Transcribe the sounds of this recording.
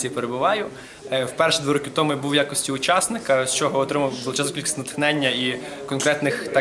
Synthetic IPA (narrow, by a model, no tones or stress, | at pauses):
ijipeɾebʊʋɑjʊ | wpɛrʃd̪ʋʲiɾɔkʲit̪ɔmʊbuʋjakɔsʲtʲiʊt͡ʃɑsnɪkɐst͡ʃɔɦɔɔt̪ɾɪmɐb̪ulˠɔt͡ʃɑzkʲilʲkʲisʲt̪ʲnɐt̪xnɛnʲːɐikɔnkɾɛt̪nɪxt̪ɑ